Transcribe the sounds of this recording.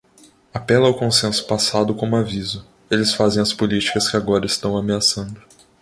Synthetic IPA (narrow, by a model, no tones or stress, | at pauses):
apɛlɐːwkõsẽsʊ̥pasad̪ʊkõmʊavizʊ | elɪsfazẽj̃ɐspʊlit͡ʃi̥kɐskɪaɡɔɾɐɪst̪ɐ̃w̃ameasɐ̃nd̪ʊ